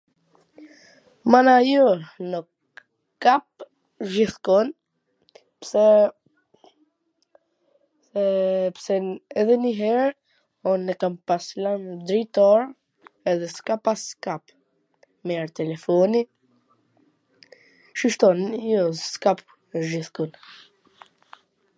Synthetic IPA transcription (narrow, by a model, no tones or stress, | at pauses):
manajɔnək | kap̚ | ʒiθkɔn | psɛ | ɛpsɛɛðɛniɦɛɾ | ɔnːɛkampaslamd̪ɾit̪ɔɾ | ɛðɛskapaskap | mɛɾt̪ɛlɛfɔni | ʃiʃt̪ɔnjɔskap | ʒiθkun